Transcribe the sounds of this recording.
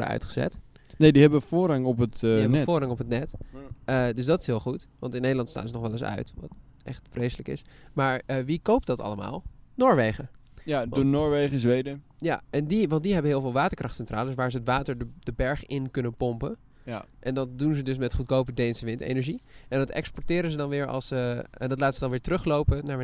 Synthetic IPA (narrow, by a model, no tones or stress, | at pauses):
ə̰œ̰ɥtχəzɛ̰t | nediɦɛbəfʊːrɑŋɔpətiɦɛbəfoːrɦɑŋɔpɦətnɛtədøsdɑtɪ̥sɦɪːlˠχutʋɑ̰ntɪnːejdəlɑntsta̰ːnzənɔχʋɛlɪsœ̰ɥtʋɑ̰t | ʔɛ̰χtfrejsələkɪ̰smaːɹəʋikowp̚dɑtɑ̰ləma̰ːlˠnoːɹʋejχə | jadunoːɹʋejχəzʋejdə | jaɛndiʋɑnt̚diɦɛbənɦɪːlˠvɪːlˠʋaːtəɹkrɑχtsɛntra̰ːlˠəsʋaːɹzəətʋaːtəɹd̥əbɛɹχɪnkɵnənpɔmpən | ʔɛndɑt̚dunzədɵsmɛtχut̚kowpədejnsəʋɪntḛnɛɹʒiʔɛndɑtɛ̰kspɔɹtɪːɾənzədɑnʋɪːɹɑ̰lˠsəɛndɑtlaːtənz̥ədɑnʋɪːɹtərøχlowpənaːɹ